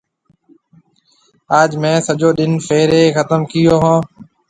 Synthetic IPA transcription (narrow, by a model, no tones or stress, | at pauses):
aːd͡ʒmɛ̃ːsəʄoːɗɪnfeːɾeːxət̪əmkɪjoːɦãː